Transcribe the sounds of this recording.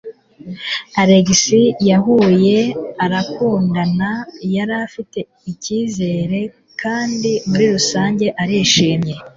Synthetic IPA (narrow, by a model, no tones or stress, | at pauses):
aɾeɡisijaɦuje̞aɾakuːndanajaɾafite̞ | iciːze̞ːɾe̞ | kʰaːndimuɾiɾusaːɲɟe̞ʔaɾiʃiːmɲe̞